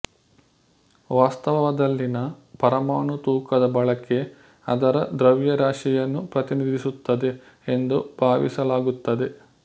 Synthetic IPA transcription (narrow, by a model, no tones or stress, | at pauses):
ʋaːst̪ɐʋɐʋɐd̪ɐlːinɐpɐɾɐmaːɳut̪uːkɐd̪ɐbɐɭɐke̞ | ɐd̪ɐɾɐd̪ɾɐʋjɐɾaːʂijɐnːupɾɐt̪inid̪ʱisut̪ːɐd̪e̞ | end̪ub̥ʱaːʋḭsɐlaːɡut̪ːɐd̪e̞